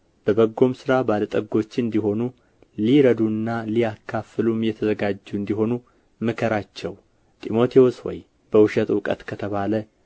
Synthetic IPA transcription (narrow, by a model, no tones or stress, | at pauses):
b̥əbəɡːo̞msɨɾabalət̪ʼəɡo̞t͡ʃːɨnd̪iɦo̞nu | liɾəd̪unːalijakʰːafɨlumjɛt̪ʰəzəɡad͡ʒːuɨnd̪iɦo̞nu | mɨkʰəɾat͡ʃːɛw | t̪ʼimo̞t̪ʰioswɔ̰j | b̥əwʊʃət̪wkʼə̰t̪kʰət̪ʰəβalə